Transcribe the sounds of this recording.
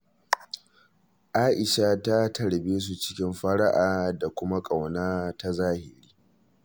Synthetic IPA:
ʔaː˦ʔɪ˨ʃa˦ta˦tʰɐ˨ɽbeː˦s̬u˨t͡ʃɪ̥˦kʲɪ˦mɸɐ˦ɽa˦ʔaː˨da˨kʷʊ˦ma˦kʼa˨wnaː˦ta˦zaː˦hɪ˨ɾiː˦

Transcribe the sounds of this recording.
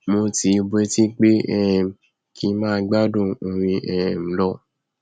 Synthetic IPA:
mo˧ti˨˧bɛ˧˦ti˦k͡pe˦ɛ˦ɛ˨ | kʰi˧˦mãː˦˧˦ɡ͡ba˦dõ˦˨õ˨ɾ̃ĩ˧ʔɛ̃˨ɛ̃˨m̩˨˦lɔ˦˨

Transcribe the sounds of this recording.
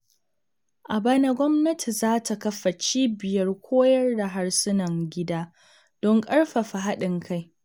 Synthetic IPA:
ʔa˨bɐ˦nɐ˦ɡʷɔ˦mnɐ˦tʰi˨zaː˦tʰa˨kɐ˦ɸːa˨t͡ʃiː˦bɪ˨jɐ˦rkʷʰoː˦jɐ˦rda˨ɦa˦ɽsɪ˦nɐ˨ŋɡʲɪ˦daː˦ | d̥ɔ˦ŋkʼɐ˦ɽɸa˨ɸa˨ɦa˦ɗɪ˨ŋkʰa˦˨j

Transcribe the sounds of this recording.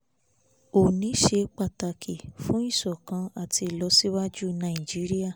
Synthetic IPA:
o˨nĩ˨˦ʃe˧˦k͡pa˧˨ta˧kʰi˨fũ˦i˦˨sɔ˨kã˧a˨ti˧˨lɔ˧˦si˦wa˦d͡ʒu˦nã˨i˨d͡ʒi˦ɾi˦a˦˨

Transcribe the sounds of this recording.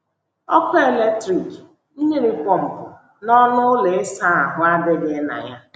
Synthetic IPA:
ɔ˦kʊ˦e˨le˦k̚tɾi˨k | n̩˦ɲe˦ɾi˦pʷɔ˦m̩˨pʊ˨ | nɔ˦nʊ˦le˨ɪ˦sa˦a˨ɦʊ˦a˦dɪ˦ɡe˦na̰˨ja˦

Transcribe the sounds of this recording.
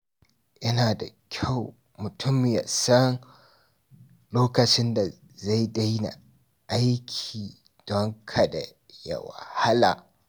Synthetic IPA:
ʔɐ˦naː˨da˨kʲʰa˦˨w | mʊ˨tʰʊ˦mɪ˨ja̰˨sɐ˦n | loː˦kɐ˨t͡ʃɪ˦nda˨ | za˦˨jda˦jna̰˨ | ʔa˦jkʲʰiː˨ | d̥ɔ˦ŋkʰa˨da̰˨ | ja̰˨wa̰˨ha˦la̰ː˨

